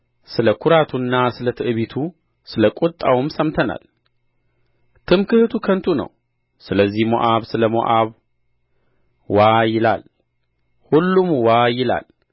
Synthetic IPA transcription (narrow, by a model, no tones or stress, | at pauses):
sɨləkʰʊɾat̪ʰunːasɨlət̪ʰɨʔɨβit̪ʰu | sɨləkʼut̪ʼːawmsəmt̪ʰəna̰l | t̪ʰɨmkʰɨhɨt̪ʰukʰənt̪ʰunə̰w | sɨləzːihmo̰ʔaβsɨləmo̰ʔaβ | wajɪla̰l | hulːumwajɪla̰l